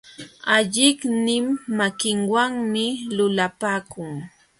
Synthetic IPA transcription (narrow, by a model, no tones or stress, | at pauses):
aʎɪknɪmːakɪŋwaŋmɪlʊlapaːkʊŋ